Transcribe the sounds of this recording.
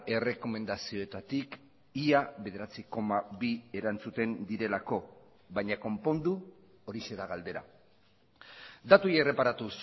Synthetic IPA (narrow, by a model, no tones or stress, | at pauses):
e̞re̞ko̞me̞nd̪asio̞et̪at̪ik | iaβe̞ð̞e̞ɾat͡siko̞maβie̞ɾant͡sut̪e̞nd̪iɾe̞lako̞ | βajɲako̞mpo̞nd̪u | oɾiʃe̞ðaɣald̪e̞ɾa̰ | d̪at̪ujere̞paɾat̪us